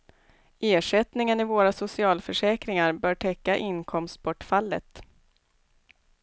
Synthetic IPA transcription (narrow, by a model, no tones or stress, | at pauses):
eːʂɛt̪nɪŋənɪvoːɾasʊsɪɑːlfœʂɛːkɾɪŋaɾbœːʈʰɛkːaʔɪnkʰɔmst̪̚bɔʈːfalːə̰t̪